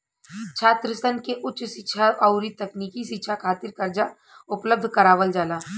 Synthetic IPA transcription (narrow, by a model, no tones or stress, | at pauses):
t͡ʃʰaːt̪ɾɪst̪ənkeʔʊtːʃsɪʃʰaɐʊɾit̪ɐkniːkiʃɪtːʃʰakʰaːt̪ɪɾkɐɾd͡ʒa | ʊpləb̚d̪ʱkɐɾaːʋəld͡ʒaːlaː